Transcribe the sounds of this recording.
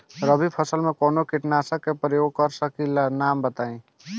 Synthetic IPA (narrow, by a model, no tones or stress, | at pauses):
ɾəbʱipʰəsəlmekonokiʈnasəkːepɾəjoɡ̚kəɾsəkilanambət̪aĩ